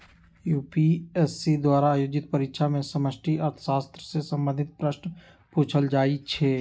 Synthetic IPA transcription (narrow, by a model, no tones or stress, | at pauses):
juːpiesid̪waːɾaːjoːd͡ʒɪt̪̚pəɾɪkʃʰamẽsəməsʈʰiʔəɾt̪ʰə̥ʃaːst̪ɾəsesə̃mbənd̪ʱɪt̪̚pɾəʃn | puːt͡ʃʰəld͡ʒaːit͡ʃʰɛː